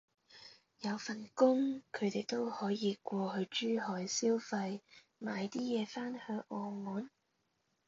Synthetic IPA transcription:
jɐ˨˧wfɐ˨˩nkʊ˥ŋkʰɵ˨˧ɥt̪e˨jt̪o˥whɔː˨˥jiː˨˧kʷɔː˧hɵ˧ɥt͡ʃyː˥ɦɔː˨˧jsiː˥wfɐ˧j | maː˨˧jt̪iː˥jɛː˨˧faː˥nhœː˧ŋʔɔː˨˩muː˨˥n

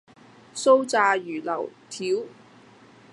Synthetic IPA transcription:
so˥wt͡saː˧jyː˨˩lɐ̰˨˩wt̪ʰiː˨˥w

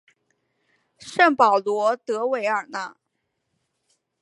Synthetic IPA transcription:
ʂə˥˩ŋpɑ˨˩ʊlwɔ˧˥t̪ɤ˧˥we˧˥ɪə˞˨˩na˥˩

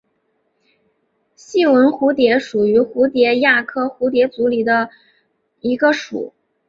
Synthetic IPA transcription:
ɕi˥˩wə˧˥nxu˧˥t̪jɛ˧˥ʂu˨˩y˧˥xu˧˥t̪jɛ˧˥ja˥˩kʰɤ˥˩xu˧˥t̪jɛ˧˥t͡su˧˥li˨˩d̪ə˦ | i˧˥ɡə˧ʂṵ˨˩˦

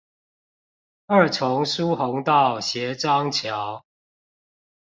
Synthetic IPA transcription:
ə˥˨˩t͡sʰʊ˨˦ŋsu˦hʊ˨˦ŋt̪ɑ˥˨ʊɕjɛ˨˦ʈ͡ʂɑ˦ŋt͡ɕʰjɑ˨˦ʊ

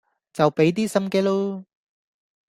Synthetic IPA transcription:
t͡sɐ˨˩wpe˨˧˥jt̪̬iː˥sɐ˥mkeː˥lo˥

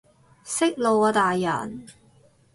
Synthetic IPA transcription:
sɪ˥k̚lo˨˧wɔː˨˧t̪aː˨jːɐ̰˨˩n

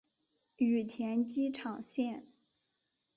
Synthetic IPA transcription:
y˨˩t̪ʰjɛ˧˥nt͡ɕi˥ʈ͡ʂʰɑ˨˩ŋɕjɛ˥˩n

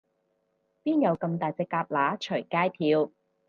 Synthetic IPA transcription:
piː˥njɐ˨˧wkɐ˧mt̪aː˨jt͡sɛː˧kaː˧p̚laː˨˥t͡ʃʰɵ˨˩jkaː˥jt̪ʰiː˧w

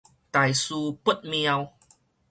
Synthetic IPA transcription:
t̪a˨jsu˧pu˦˥t̚mi˧a˧w

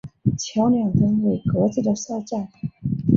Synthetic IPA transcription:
t͡ɕʰjɑ˧˥ʊnjɑ˨˩ŋt̪ə˥nwe˥˩kwɔ˧˥t͡sɹ̩˧˥˩d̪ə˩ʂa˥˧ʊʈ͡ʂa˥˩

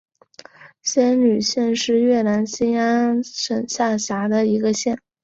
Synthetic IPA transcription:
ɕjɛ˥nny˨˩ɕjɛ˥˧nʂɻ̩˥˧ɥɛ˥˩na˧˥nɕi˥nja˥ʂə˨˩ŋɕja˥˩ɕja˧˥d̪ə˧i˧˥ɡə˧ɕjɛ˥˩n

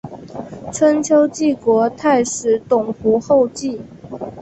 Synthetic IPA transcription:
t͡sʰə˥nt͡ɕʰjo˥ʊt͡ɕi˥˩kwɔ˧˥t̪ʰa˥˩ɪʂɻ̩˨˥˦t̪ʊ˨˩ŋxu˧˥xo˥˧ʊt͡ɕi˥˩

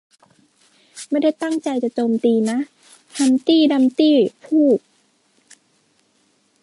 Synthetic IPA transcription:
ma˥˩jda˥˩jt̪a˥˩ŋt͡ɕa˧jt͡ɕa˨˩t͡ɕoː˧mt̪iː˧na˦˥ʔ | t̪ʰa˧nt̪iː˥˩da˧mt̪iː˥˩pʰuː˥˩k̚

